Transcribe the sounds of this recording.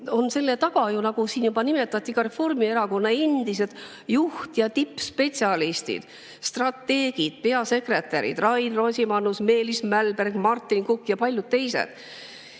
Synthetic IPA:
o̞nse̞lːe̞t̪ɑɡɑjunɑɡusiːnjubɑnime̞t̪ːˑɑt̪ʲˑːikɑɾe̞fo̞rmie̞ɾɑko̞nːɑe̞nd̪̥ised̪̥ | juht̪jɑt̪ipːspe̞t̪sʲiɑlist̪ḭd̪̥ | st̪rɑt̪ːe̞ːɡ̥id̪̥̚pe̞ɑse̞kre̞t̪ːˑæɾḭd̪rɑjnrosʲimɑnːusme̞ːlismælberɡ̥mɑrt̪ːˑinkukːˑjɑpɑlʲjud̪̥̚t̪e̞jsḛd̪̥

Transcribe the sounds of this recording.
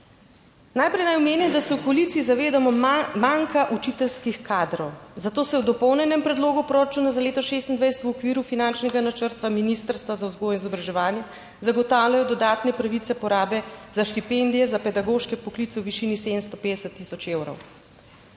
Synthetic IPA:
najpɾɛjnajɔmeːnɛmd̪asɛwkɔlit̪siizaʋeːd̪amɔmaŋkaʔut͡ʃit̪ɛlskixkʰaːd̪ɾɔwzat̪oːsɛwd̪ɔpɔwnɛnɛmpɾɛd̪loːɡupɾoɾat͡ʃuːnazaleːt̪ɔʃeːst̪ind̪ʋajsɛt̪uwɔkʋiːɾufinant͡ʃnɛɡanat͡ʃəɾt̪ʋaminist̪əɾst̪ʋazauzɡoːjɛnizɔbɾaʒɛʋaːnjɛ | zaɡɔt̪aːwljajɔd̪ɔd̪aːt̪nɛpɾaʋit̪sɛpɔɾaːbɛzaʃt̪ipend̪ijɛzapɛd̪aɡoʃkɛpɔklit̪sɛwʋiʃiːniseːd̪əmst̪ɔpeːd̪ɛsət̪ːisɔt͡ʃewɾɔ̰w

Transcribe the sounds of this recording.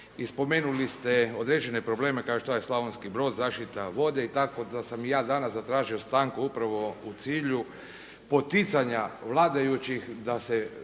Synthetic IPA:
ispo̞me̞ːnulist̪eo̞d̪ɾe̞d͡ʒene̞pɾo̞ble̞ːmekaoʃt̪ojeslˠaʋonskibɾo̞ːd̪zaːʃt̪it̪aʋo̞d̪e̞it̪ako̞d̪asamjaːd̪anaszat̪ɾaːʒio̞st̪aːŋkuupɾaʋo̞ut̪siːʎu | po̞t̪it̪saɲaʋlˠaːd̪ajut͡ɕixd̪ase

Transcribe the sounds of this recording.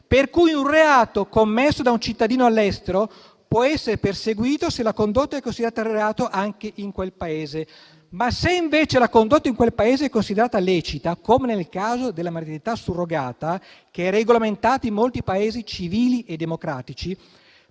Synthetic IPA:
perkujunreaːt̪okomːesːod̪aunt͡ʃit̪ːad̪iːnoalːɛst̪eɾo | pwɔɛsːeɾeperseɡwiːt̪oselakond̪ot̪ːaɛkːonsid̪eɾaːt̪arreaːt̪oʔaŋkeʔiŋkwelpaeːze | maseiɱveːt͡ʃelakond̪ot̪ːaiŋkwelpaeːzeɛkːonsid̪eɾaːt̪alɛːt͡ʃit̪akoːmenelkaːzod̪elːamaɾt̪iɾit̪asurːoɡaːt̪a | keɛrːeɡolament̪aːt̪aimːolt̪ipaeːzit͡ʃiviːliʔed̪ːemokɾaːt̪it͡ʃi

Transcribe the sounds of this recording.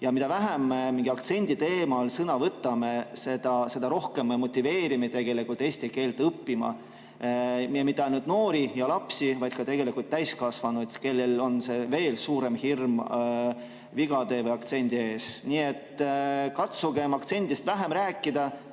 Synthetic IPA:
jɑmid̪̥ɑvæɦemːemiŋɡ̥iɑkt̪se̞nʲd̪̥ʲit̪e̞ːmɑlsɤnɑvɤt̪ːˑɑme̞se̞d̪̥ɑse̞d̪ɑɾo̞hke̞mːemo̞t̪ʲˑːive̞ːɾimet̪e̞ɡ̥e̞likult̪ˑe̞ːsʲt̪ike̞ːlt̪ɤpːimɑ̰ | miemit̪ːˑɑnud̪̥no̞ːɾijɑlɑpsivɑjd̪̥̚kɑt̪e̞ɡ̥e̞likult̪ːæjskɑsvɑnud̪̥ke̞lːe̞lo̞nse̞ve̞ːlsuːɾe̞mhirm | viɡ̥ɑd̪e̞ːvɤjɑkt̪se̞nʲd̪ie̞ːsnie̞t̪ːkɑt̪suɡ̥e̞mɑkt̪se̞nʲd̪ist̪væɦe̞mɾæːkːˑid̪̥ɑ

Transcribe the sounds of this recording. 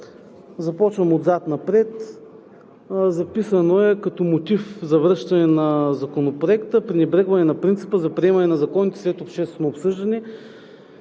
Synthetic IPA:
zɐpɔt͡ʃvɐmod̪zat̪nɐpɾɛt̪ | zɐpisənoɛkɐt̪ɔmot̪ifzɐvɾɤʃt̪ɐnɛnɐzɐkonopɾoɛkt̪əpɾinɛbɾɛɡvɐnɛnɐpɾint̪si̥pəzɐpɾiɛmɐnɛnɐzɐkɔnit̪ɛ̥slɛt̪opʃt̪ɛst̪vnoːpsɤʒd̪ɐni

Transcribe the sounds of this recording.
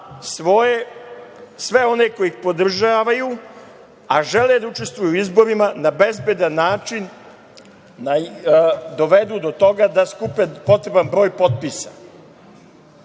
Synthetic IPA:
sʋoe | sʋe̞o̞ne̞ko̞jixpo̞d̪r̩ʒaːʋaju | aʒe̞led̪aut͡ʃe̞st̪ʋujuuizbo̞ɾimanabe̞zbed̪anːaːt͡ʃin | a | d̪o̞ʋe̞d̪ud̪o̞t̪o̞ɡad̪askupepo̞t̪ɾe̞banbɾo̞ːjpo̞t̪̚pisa̰

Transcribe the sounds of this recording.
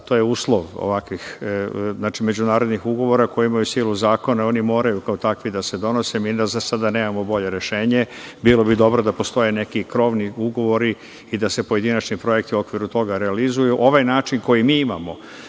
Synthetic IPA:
t̪o̞ːjeuːslˠo̞ʋo̰ʋakʋixznaːt͡ʃime̞d͡ʑunaːɾo̞d̪nixuɡo̞ʋo̞ɾakojeimajusiːluzaːko̞nao̞nimo̞ːɾajukaot̪akʋid̪ase̞d̪o̞nosemiazasad̪aneːmamobo̞ʎe̞ɾeʃe̞ːɲebilo̞bid̪o̞bɾo̞d̪apo̞st̪o̞jene̞kikɾo̞ʋniuɡo̞ʋo̞ɾi | id̪ase̞po̞je̞d̪inat͡ʃnipɾo̞je̞kt̪iuo̞kʋiɾut̪o̞ɡaɾealizujuʔo̞ʋajnaːt͡ʃinko̞jimiːimamo̞

